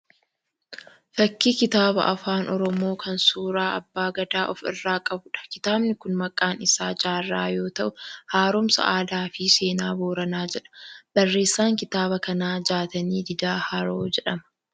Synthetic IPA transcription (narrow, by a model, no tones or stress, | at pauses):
fɐkːikɪt̪aːbɐ̰ʔɐfaːnʔɔɾɔmo̞ːkʰɐnsuːɾaːʔɐbːaːɡɐd̪aːʔɔfɪ̰rːaːkʼɐbʊᶑɐ̥kɪt̪aːbnɪkʊnmɐkʼːaːnɪsaːd͡ʒaːrːa̰ːjo̞ːt̪ɐʔʊhaːɾʊmsɐ̰ʔaːd̪aːfise̞ːnaːboːɾɐnaːd͡ʒɛᶑɐ̥b̥ɐrːe̞ːsːaːŋkɪt̪aːbɐkɐnaːd͡ʒaːt̪ɐniːd̪ɪd̪aːhaːɾoːd͡ʒɛᶑɐmɐ̥